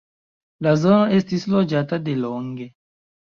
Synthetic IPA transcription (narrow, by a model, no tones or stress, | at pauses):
lazo̞no̞ʔe̞stislo̞d͡ʒatade̞lo̞ŋɡe̞